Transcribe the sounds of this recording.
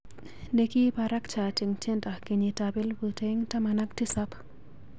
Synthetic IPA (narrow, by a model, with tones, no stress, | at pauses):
deki˦paɾa˦kt͡ʃa˨ti˨ŋt͡ʃe˦nta˨ki˨ɲi˨tabi˦lbute˦ŋta˦mana˦k̚ti˦sa˦p